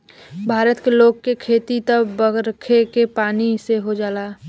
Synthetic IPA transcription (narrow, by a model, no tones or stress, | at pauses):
bʱaːɾət̪keloːɡ̚kekʰeːt̪it̪əbəɡɾəkʰekepaːniseɦod͡ʒaːlaː